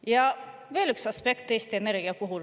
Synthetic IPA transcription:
jɑ | ve̞ːlyksɑspe̞kt̪ːˑe̞ːst̪iene̞ɾɡ̥iɑkoɦul

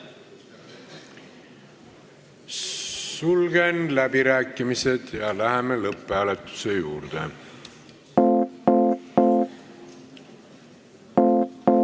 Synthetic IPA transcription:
sulɡ̥enlæbiɾæːkːˑimise̞d̪̥jɑlæɦemelɤpːˑæːlet̪ːˑu̥se̞juːɾd̪̥ḛ

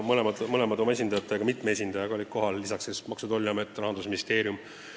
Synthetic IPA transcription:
mɤlemɑd̪mɤlemɑd̪o̞ɑe̞s̬ʲind̪ɑjɑt̪ːˑeɑɡɑmit̪mee̞s̬ʲind̪ɑjɑɡɑolʲikːo̞ɦɑlːisɑksesmɑksud̪olʲːɑmet̪ːˑrɑɦɑnd̪us̬minist̪e̞ːɾjum

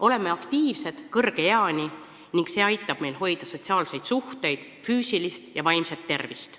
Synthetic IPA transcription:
ʔo̞le̞me̞ɑkt̪iːvse̞d̪̥kɤrɡ̥e̞jeɑnʲi | niŋɡ̥kse̞ːɑjt̪ːˑɑb̥me̞jlho̞jd̪̥ɑso̞t̪ʲsiɑːlse̞jd̪̥suht̪e̞jd̪̥ | fyːsilist̪jɑvɑjmsɑt̪ːe̞rvist̪

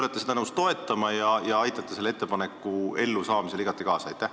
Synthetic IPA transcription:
let̪ːˑesed̪ɑnɤwst̪o̞e̞t̪ːˑɑmɑjɑjɑɑjt̪ːˑɑt̪ːˑese̞lːee̞t̪ːe̞pɑnekːˑue̞lːusɑːmise̞liɡ̥ɑt̪ːˑikɑːsɑɑjt̪ːˑæh

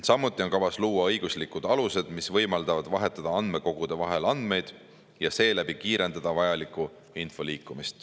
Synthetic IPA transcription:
sɑmːut̪ːˑio̞nkɑvɑsluːwɑɤjɡ̥uslikːˑud̪̥ɑluse̞d̪̥misvɤ̞jmɑld̪̥ɑvɑd̪̥vɑɦe̞t̪ːˑɑd̪̥ɑɑnd̪me̞ko̞ɡ̥ud̪̥e̞vɑɦe̞lɑnd̪̥me̞jd̪̥ | jɑse̞ːlæb̥ikiːɾe̞nd̪̥ɑd̪̥ɑvɑjɑlikːˑu | info̞liːkːˑumist̪

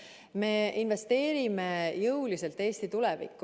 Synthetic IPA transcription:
me̞ːinve̞st̪e̞ːɾimejɤwlise̞lt̪ːe̞ːst̪it̪ulɛvḭkːˑ

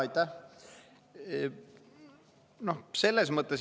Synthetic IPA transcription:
ɑjt̪ːˑæ | no̞hse̞lːesmɤt̪ˑːes

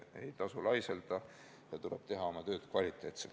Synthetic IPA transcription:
e̞jt̪ɑsulɑjseld̪̥ɑ | jɑt̪uleb̥t̪e̞ɦɑo̞mɑt̪ø̞ːd̪kvɑlʲit̪ːˑe̞ːt̪sel

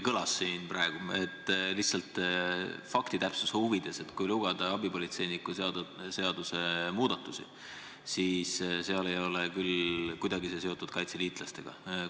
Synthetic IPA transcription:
kɤlɑsːiːnprɑeɡ̥ue̞t̪ːˑlihsɑlt̪ˑ | fɑkt̪it̪æpsusuvid̪̥e̞se̞t̪kujluɡ̥ɑd̪̥ɑɑbipo̞lit̪se̞jnikːusse̞ɑd̪̥use̞muːd̪ɑt̪ːˑusḭ | siːsse̞ɑle̞jo̞lekylkujd̪ɑɡises̬e̞o̞t̪ːˑud̪̥kɑjt̪seliːt̪ˑlɑst̪e̞ɡ̥ɑ̰

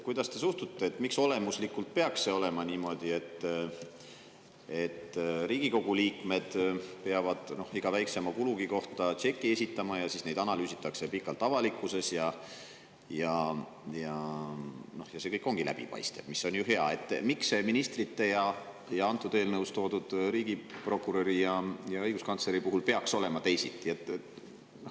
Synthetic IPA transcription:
kujd̪̥ɑst̪e̞sust̪ut̪ːeːt̪ːmikso̞le̞muslikːˑult̪̚pe̞ɑksse̞o̞le̞mɑniːmo̞d̪̥ie̞t̪ː | e̞t̪ːriːɡ̥iko̞ɡ̥uliːkme̞d̪̥pe̞ɑvɑd̪̥no̞hiɡ̥ɑvæjksemɑkuluɡiko̞ht̪ɑt͡ʃe̞kːie̞s̬ʲit̪ːˑɑmɑjɑsisne̞jd̪̥ɑnɑlyːsit̪ːˑɑkse̞pikːˑɑlt̪ːˑɑvɑlikːˑuse̞sjɑ | jɑ | jɑ | no̞hjɑse̞kɤjkːˑo̞ŋɡ̥ilʔæ̰b̥ḭpɑ̰jst̪e̞b̥misːo̞njuɦe̞ɑ̰e̞t̪ːˑmikseminist̪rit̪ːe̞jɑ | jɑɑnt̪ːˑud̪̥e̞ːlnɤwst̪o̞ːd̪ud̪̥ɾiːɡ̥ipro̞kːˑuɾoɾijɑjɑɤjɡ̥uskɑnt̪sle̞ɾipuɦulpe̞ɑkso̞le̞mɑt̪e̞jsit̪ːˑiet̪ːˑe | no

